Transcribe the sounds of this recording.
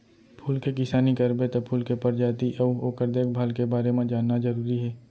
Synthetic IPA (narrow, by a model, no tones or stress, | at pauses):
pʰuːlkekɪsaːnikɐɾbet̪opʰuːlkepɐɾd͡ʒaːt̪iʔɔːoːkəɾd̪eːkʰbʱaːlkebaːɾemẽd͡ʒaːnːazɐɾuːɾiɦɛː